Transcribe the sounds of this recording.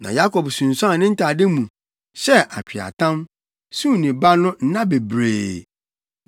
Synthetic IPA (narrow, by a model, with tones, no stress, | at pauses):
nã̰˨ja˦kʰɔ˨bsũ˨n̩˨sã˦˨nɪ̃˦n̩˦tʰa˨dɪ˦mũ˨ | ɕɛ˦ʔa˨t͡ɕᶣʰi˨a̰˨tʰã˦m | sũ˦˨nĩ˨ba˦nʊ̃˦n̩˦nã˦be˨bɾḛː˨